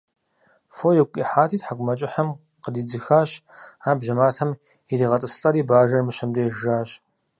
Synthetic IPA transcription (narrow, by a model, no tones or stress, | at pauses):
fojɛkʷʼiħaːtʰiːtħaɡʷʊmɐt͡ʃʼɪħɐm | qədiːd͡zɨxaːɕ | aːbʒɐmaːtʰɐm | idiːʁɐtʼɨsɨɬʼɐɾiːbaːʒɐrmɨɕɐmdeːʒʒaːɕ